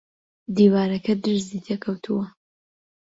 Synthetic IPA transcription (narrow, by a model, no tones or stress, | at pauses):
d̪iːwaːɾɐkʰɐd̪ɨɾzit̪ʰɛkʰɐwt̪ʰuwɐ